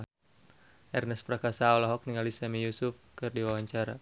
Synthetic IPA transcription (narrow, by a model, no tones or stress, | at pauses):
ʔɛrnɛspɾakasaɔlaɦɔk̚niŋalisamijusʊfkɨrdiwawaɲt͡ʃaɾa̰